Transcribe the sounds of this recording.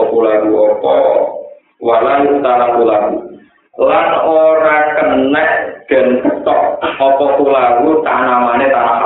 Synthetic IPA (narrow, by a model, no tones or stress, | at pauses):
pulaɡuɔpɔ | walaniut̪aɾapulawu | lanoɾakənɛʔɡ̥ə̤nkət̪ɔʔɔpɔpulawut̪anamanet̪anasa